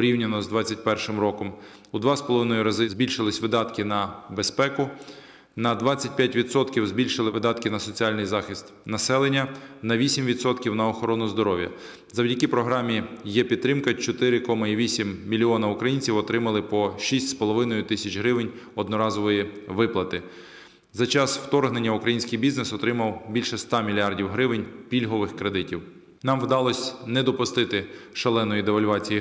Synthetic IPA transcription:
pɔɾʲiwnʲɐnɔzd̪ʋɑt͡sʲːɐt̚ʲpɛrʃɪmɾɔkɔm | ud̪ʋɑspɔlˠɔʋɪnɔjʊɾɐzɪzbʲilʲʃɪlˠɪsʲʋɪd̪ɑt̪kɪnɐbespɛkʊ | nɐd̪ʋɑt͡sʲːɐt̚ʲpʲjatʲʋʲit̪sɔt̪kʲiwzbʲilʲʃɪlˠɪʋɪd̪ɑt̪kɪnɐsɔt͡sʲiɑlʲnɪjzɑxʲist̪nɐsɛlˠenʲːɐnɐʋʲisʲimʋʲid̪sɔt̪kʲiwnɐɔxɔɾɔnʊzd̪ɔɾɔʋʲjɐ̰ | zɐwdʲɐkʲipɾɔɦɾɑmʲijɛpʲid̪t̪ːɾɪmkɐt͡ʃɔt̪ɪɾɪkɔmɐiʋʲisʲimːʲilʲiɔnɐukɾɐjinʲt͡sʲiwɔt̪ɾɪmɐlˠɪpɔʃisʲtʲspɔlˠɔʋɪnɔjʊt̪ɪsʲɐt͡ʃɦɾɪʋɪnʲ | ɔd̪nɔɾɑzɔʋɔjiʋɪplˠɐt̪ɪ | zɐt͡ʃɑsw̥t̪ɔrɦne̞nʲːɐukɾɐjinʲsʲkɪjbʲiznesɔt̪ɾɪmɐwbʲilʲʃɛst̪ɑmʲilʲiɑrdʲiwɦɾɪʋɪnʲpʲilʲɦɔʋɪxkɾe̞d̪ɪtʲiw | nɑmwd̪ɑlˠɔsʲnɛd̪ɔpʊst̪ɪt̪ɪ | ʃɐlˠɛnːɔjid̪eʋɐlʲʋɑt͡sʲij

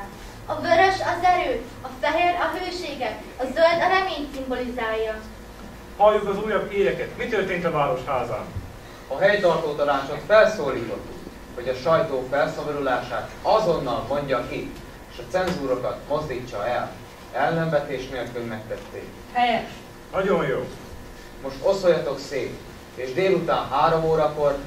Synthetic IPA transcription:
ɒvøɾøʃɒzɛɾøː | ɒfɛɦeːɾɒɦøːʃeːɡɛ | ɒzøld̪ɒɾɛmeːɲsimbo̞lizaːjɒ | hɒlːukɒzuːjɒbeːɾɛkɛt̪mit̪ørt̪eːnt̪ɒvaːɾo̞ʃhaːza̰ːn | ɒɦɛjt̪ɒrt̪oːt̪ɒnaːt͡ʃot̪fɛlsoːliːt̪o̞t̪ːuk | ho̞ɟɒʃɒjt̪oːfɛlsɒbɒɾulaːʃaːt̪ɒzo̞nːɒlmo̞ɲɟɒki | eːʃɒt̪sɛnzuːɾokɒt̪mo̞zd̪iːt͡ʃːɒɛl | ɛlːɛɱvɛt̪eːʃneːlkylmɛk̚t̪ɛt̪ːḛːk | hɛjɛʃ | nɒɟo̞jjoː | mo̞ʃt̪o̞sojɒt̪o̞kseːk | eːʒd̪eːlut̪aːnɦaːɾo̞moːɾɒko̞r

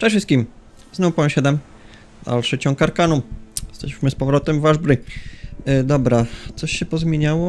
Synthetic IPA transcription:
ʂɛfʂɨst̪̚kʲim | znɔ̃wpɔɛ̃ɕɛd̪ɛm | a̰lʂɛt͡ɕɔ̃w̃kaɾkanujɛst̪ɛɕɕmɘspɔvɾɔt̪ɛmvaʐbɾɘ | d̪ɔbɾat̪sɔɕːɛpɔzmʲjeɲawɔ

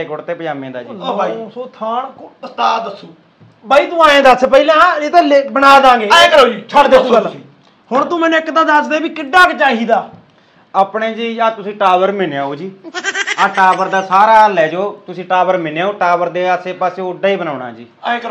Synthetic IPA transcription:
ekoɽt̪eːpəd͡ʒaːmẽːd̪aːd͡ʒiːaisoːt̪ʰaːɳst̪aːd̪əsːuː | baːiːt̪uaːẽːd̪aːspəiːlãːãːeːt̪aːlebənaːd̪ãːɡeːkəɾod͡ʒiːt͡ʃʰəld̪eːsũəlː | hʊɳt̪ũːmɛːnũɪkd̪aːd̪əsd̪eːbiːkɪɖaːkt͡ʃaːɦiːd̪aː | aːpɳeːd͡ʒiːaːt̪ʊsĩːʈaːbəɾmɪnjaːoːd͡ʒiːaːʈaːbəɾd̪aːsaːɾaːlɛːd͡ʒoːt̪ʊsĩːʈaːbəɾmɪneaːoːʈaːbəɾd̪eːəseːpaːseːʊɖaːiːbənaːɳa̰ːd͡ʒiːk

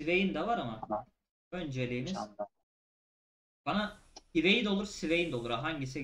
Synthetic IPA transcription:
ivejind̪ɛvaɾama | ønd͡ʒelʲiːniz | b̥anaive̞jid̪o̞lˠuɾsivejind̪olˠuɾaɦaɲɟis̬i

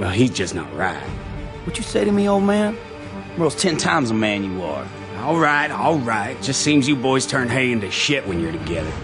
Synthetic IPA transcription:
wɛlˠizd͡ʒʌsnə̰t̚ɹa̰ɪt̚wʌd͡ʒɨseɪɾɨmioʊlˠd̚mæ̃n | wəlˠz̥tʰɛ̃ntʰãɪ̃mzəmæ̃njɨə̰˞ | ɔlˠɹaɪtɔlˠɹaɪt̚d̥ʒ̥ʌstsĩmzjɨbɔɪz̥tʰɜ̃˞nɦeɪɪ̃ntɨʃɪʔ̚wɨ̃njə˞ɾɨɡɛðə̰˞

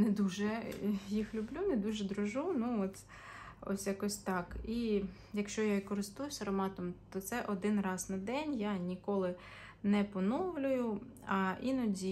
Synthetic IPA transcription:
nɛd̪uʒɛjixlʲʊblʲunɛd̪uʒɛd̪ɾʊʒɔnuɔt̪ʲ | ɔ̰sʲjɐkɔsʲt̪ɑki | jɐkʃt͡ʃɔjaikɔɾɪst̪ujʊsʲɐɾɔmɑt̪ɔmt̪ɔt̪sɛʔɔd̪ɪnrɑznɐd̪ɛnʲjanʲikɔlˠɪ | nɛpɔnɔwlʲʊjʊ | ɐʔinɔdʲi

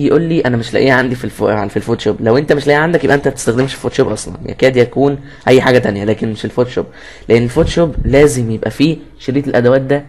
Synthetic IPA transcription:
jeʔuːlːiːʔænæmeʃlæ̰ʔiːʕand̪ifilfilfoːt̪ʃoːblæwʔent̪æmeʃlæʔiːʕand̪ækjebʔæʔent̪æt̪e̥st̪æxd̪emʃe̥foːt̪ʃoːbʔɑsˤlɑ̰njæ̰kæːd̪jækuːn | ʔæjːħaːɡæt̪ænjælæːkenmeʃelfoːt̪ʃoːb | leʔenːelfoːt̪ʃoblæːzemjebʔæfiː | ʃeɾiːt̪elʔæd̪æwæːt̪̚d̪æ

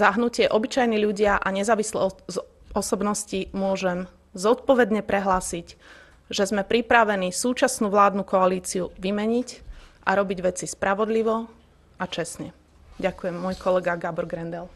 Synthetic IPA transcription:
zaɦnucɪɛʔɔbit͡ʃajniʎuɟɪaʔaɲɛzaːʋislɛ̰ | ɔsɔbnɔscimʊɔʒɛm | zɔt̪̚pɔʋɛd̪ɲɛpɾɛɦlaːsic | ʒɛzmɛpɾipɾaʋɛnisuːt͡ʃasnuːʋlaːd̪nukɔaliːt͡siuʋimɛɲicʔaɾɔbiɟʋɛt͡sispɾaʋɔd̪liʋɔ | ʔat͡ʃɛsɲɛ | ɟakujɛmːɔjkɔlɛɡaɡabɔɾɡɾɛnd̪ɛl

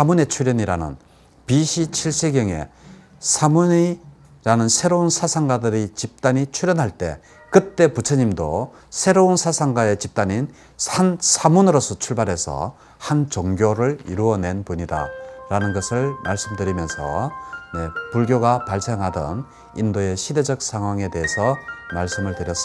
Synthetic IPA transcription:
samune̞t͡ɕʰuɾjʌɲiɾanɯ̰n | piɕʰit͡ɕʰiɭs͈e̞ɡjʌŋe̞̰ | sʰamuni | ɾanɯnsʰe̞ɾounsʰasʰaŋɡadɯɾit͡ɕip̚t͈aɲit͡ɕʰuɾjʌnɦaɭt͈e̞̰ | kɯt͈e̞put͡ɕʰʌɲimdo | sʰe̞ɾounsʰasʰaŋɡae̞t͡ɕip̚t͈aɲin | ansʰamunɯɾʌs͈ʰʌt͡ɕʰuɭbaɾɦe̞sʰʌ̰ | hant͡ɕoŋɡjoɾɯɾḭɾuʌne̞npuɲida̰ɾanɯnɡʌsʰɯɭmaɭs͈ɯmdɯɾimjʌnsʰʌ̰ne̞puɭɡjoɡapaɭse̞ŋɦadʌ̰n | indoe̞ɕʰide̞d͡ʑʌk̚sʰaŋɦwaŋe̞te̞ɦesʰʌmaɭs͈ɯmɯɭtɯɾjʌs͈ɯ

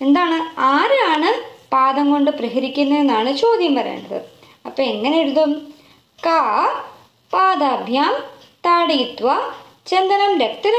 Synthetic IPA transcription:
e̞nd̪aːɳɨaːɾɨaːɳɨpaːd̪ɐŋko̞ɳɖɨprɐɦɐɾikʲːunːɐðenːaːɳɨt͡ɕo̞ːd̪jɐmpɐɾḛːɳɖɐðɨ̰ | ɐpːɐːe̞ŋːɐneeɽuðum | kaː | paːd̪aːbʱjaːm | t̪aːɽiːt̪ːʋɐ | t͡ɕend̪ɐnɐmɾekt̪ɐɾɐ

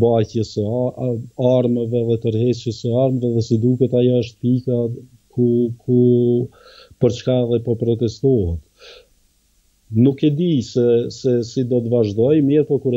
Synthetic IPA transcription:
bacjəsə | aɾməvɛðɛt̪əɾhɛt͡ʃjəsəaɾmvɛðɛsid̪ukɛt̪ajɔəʃt̪pika | kukʰu | pəɾt͡ʃkaðɛpɔpɾɔt̪ɛst̪ɔɦɛt̪ | nukɛd̪isɛsɛsid̪ɔt̪vaʒd̪ɔjmiɾpɔkuɾ

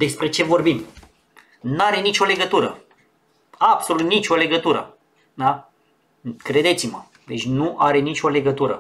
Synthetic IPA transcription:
d̪e̞spɾe̞t͡ʃe̞vo̞rbim | naɾe̞nit͡ʃo̞le̞ɡət̪uɾə | abso̞lut̪nit͡ʃʲo̞le̞ɡət̪uɾə̰ | d̪a | kɾe̞d̪e̞t̪simə | d̪e̞t͡ʃʲnuʔaɾe̞nit͡ʃʲo̞le̞ɡət̪uɾə̰

